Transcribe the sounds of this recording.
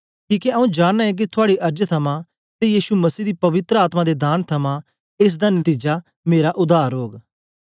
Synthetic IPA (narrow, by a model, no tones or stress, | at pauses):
kiːkeɐũd͡ʒaːnnaɦɛ̃k̬it̪ʰʊaːɽiʔɐɾd͡ʒt̪ʰɐmã | t̪ejiːsumɐsiːd̪ipɐʋɪt̪ɾəaːt̪mãd̪ed̪aːnt̪ʰɐmã | ɪs̬d̪anɐt̪iːd͡ʒa | meːɾaʔʊd̪aːɾɦoːɡ